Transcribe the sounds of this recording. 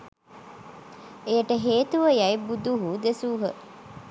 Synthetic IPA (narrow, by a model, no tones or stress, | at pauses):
eʈəɦeːt̪uʋəjɐjbud̪uɦuːd̪esuːɦə̰